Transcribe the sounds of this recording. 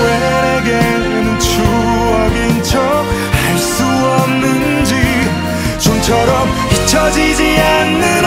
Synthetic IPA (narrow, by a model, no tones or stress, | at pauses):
we | ɾeɡe | ɯmt͡ɕʰuʌɡint͡ɕʰʌ | haɭs͈u | ʌmnɯnd͡ʑi | t͡ɕomt͡ɕʰʌɾʌm | çit͡ɕʰʌd͡ʑid͡ʑianːɯɾ